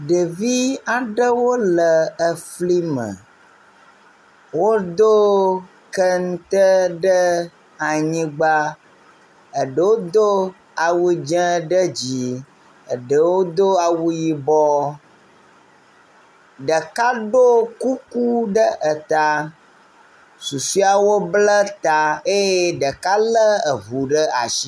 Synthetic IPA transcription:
ɖe˨vi˦a˨ɖə˦wo˦lə˨ə˨fli˦mə̰̃˨ | wo˦d̪o˦ | kə˦ŋũ˦t̪ə˦ɖə˦ | a˨ɲĩ˦ɡ͡ba˦ | ə˨ɖə˦wo˦d̪o˦ | a˨wu˦d͡ʒɛ̃˦ɖə˦d͡ʑi˨ | ə˨ɖə˨wo˦d̪o˦a˨wu˦ji˦bɔ˦ | ɖə˨ka˦ɖo˦ku˦ku˦ɖə˦ʔə˨t̪a˨ | su˨su˦a˨wo˦blə˦t̪a˨e˦je˦ɖə˨ka˦lə˦ə˨vu˨ɖə˦a̰˨ʃi˦

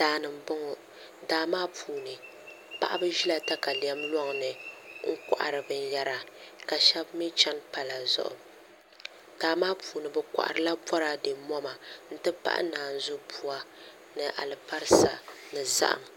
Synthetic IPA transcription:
daː˨nɨ˨m˨bʊ˦ŋʊ˨ | daː˨maː˦puː˨nɨ˨ | pa̰˦˨ʔa˦bɨ˦ʒi˦la˦ta˦ka˨li˨ɛ˦mlɔ˦ŋnɨ˨ŋ̩˦kʷa̰˨ʔa̰˨ɾɨ˨bɨ˨n˦ja˦ɾa˨ka˨ʃɛ˦bmi˦t͡ʃa˦npa˨la˨zʊ̰˦ʔʊ̰˨ | d̥aː˨maː˦pʰuː˨nɨ˨bɛ˦kʷa̰˨ʔa̰˨ɾɨ˨la˦bɔ˦ɾa˦de˨mɔ˦ma˨n̩˦tɨ˦pa̰˦ʔa̰˦naː˨n̩˨zʊ˦pʰu˦a˦ | nɨ˨ʔa̰˨lɨ˨pa˦ɾɨ˦sa̰˨nɨ˨za̰˦ʔa̰˨m

